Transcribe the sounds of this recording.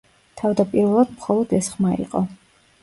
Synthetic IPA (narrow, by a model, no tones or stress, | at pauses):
t̪ʰavd̪apʼiɾvɛlˠad̪̥mχɔlˠɔd̪ɛsχmaḭqʼɔ